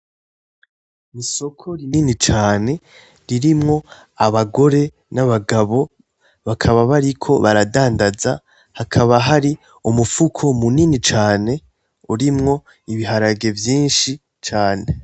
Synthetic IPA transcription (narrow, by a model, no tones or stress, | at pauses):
iso̞kʰo̞ɾininit͡ʃaːne̞ | ɾiɾimŋo̞ | aβaɡo̞ɾe̞ | naβaɡaβo̞ | βakʰaβaβaɾikʰo̞βaɾadaːndaza̰ | hakʰaβaɦaɾi | umufukʰo̞muninit͡ʃaːne̞ | uɾimŋo̞ | iβiɦaɾaɡe̞vjiːnʃi | t͡ʃaːne̞